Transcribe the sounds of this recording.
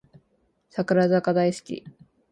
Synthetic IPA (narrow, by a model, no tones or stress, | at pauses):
sakɯ̟ɾazakad̪aisɨ̥kʲḭ